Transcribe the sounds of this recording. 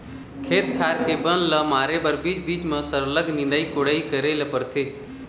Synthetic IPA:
kʰeːt̪kʰaːɾɦeːbənləmaːɾebəɾbiːt͡ʃbiːt͡ʃmə̃səɾləɡʱnĩnd̪aikoɽaːikəɾeːlɐpəɾt̪ʰeː

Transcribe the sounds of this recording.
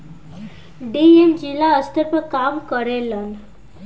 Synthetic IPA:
ɖiemd͡ʑilaəst̪əɾpəkamkəɾelan

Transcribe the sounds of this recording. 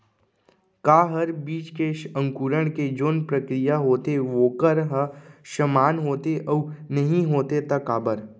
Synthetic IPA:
kaːɦɐɾbiːt͡ʃkeə̃ŋkuːɾəɽ̃ked͡ʒoːnpɾɐkɾijaɦoːt̪eʋoːkəɾɦəʃəmaːnɦoːt̪eʔɐnɐɦĩɦoːt̪et̪ɐkaːbəɾ

